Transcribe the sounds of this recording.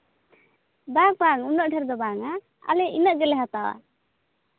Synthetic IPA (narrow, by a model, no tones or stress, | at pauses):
bak̚baŋunɔʔɖʰʱɛɾd̪ɔbaŋa | a̰lɛʔinəʔɡɛlɛɦat̪a̰ɾ